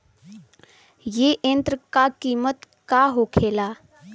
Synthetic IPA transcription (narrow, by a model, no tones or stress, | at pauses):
jeʔent̪ɾəkakimət̪ | kaɦokʰela